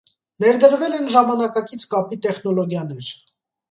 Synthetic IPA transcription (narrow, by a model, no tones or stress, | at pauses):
nɛɾd̪əɾvɛlɛnʒɑmɑnɑkɑkit͡sʰkɑpit̪ɛχnɔlɔɡjɑnɛɾ